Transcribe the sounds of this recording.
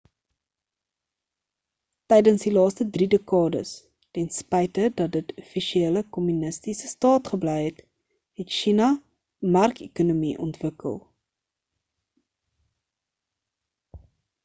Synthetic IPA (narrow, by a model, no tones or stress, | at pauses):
tɛjdənsdilɑːstədridekɑːdə̰s | tɛnspɛjtədɐt̚dətʰufiʃieːləkɔmynəstisəstɑːtχəblɛjɦɛt | ɦɛtʃinɐ | mɐrkḛkunumiʔɔ̰ntvəkə̰lˠ